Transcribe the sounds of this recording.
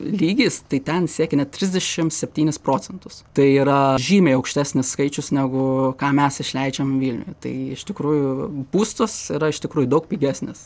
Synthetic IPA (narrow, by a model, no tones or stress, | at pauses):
lʲiːɡʲiːst̪ɐɪt̪ʲɛnsʲiɛkʲɛnʲɛt̪ʲɾʲɪzʲd̪ʲɛʃʲɪmsʲɛpʲt̪ʲiːnʲɪspɾoːt͡ssʲɛnt̪ʊst̪ɐɪiːɾɐʒʲiːmʲeɪɐʊkʃʲt̪ʲæːsʲnʲɪsskɐɪt͡ʃʲʊsnʲæɡʊkɑːmʲɛsɪʃʲlʲɛɪd͡ʒʲɛmʋʲiːlʲnʲʊ̰jɛt̪ɐ̰ɪɪʃt̪ʲɪkɾuːjʊbuːst̪oːsiːɾɐɪʃt̪ʲɪkɾuːjʊd̪ɐʊk̚pʲiːɡʲæsʲnʲɪs